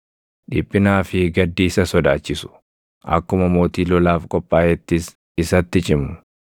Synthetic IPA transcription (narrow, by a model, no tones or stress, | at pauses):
ᶑɪpʼːɪnaːfɪɡɐd̪ːiːsɐsɔd̪aːt͡ʃːɪsʊ̥ | ʔɐ̰kːʊmɐmo̞ːt̪iːlɔlaːfkʼɔpʼːaːjɛt̪ːɪs | ɪsɐt̪ːɪt͡ʃʼɪmʊ̥